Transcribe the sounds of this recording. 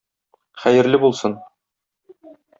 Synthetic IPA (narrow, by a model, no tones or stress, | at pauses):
χæjɘ̆ɾlɘbulˠsɤn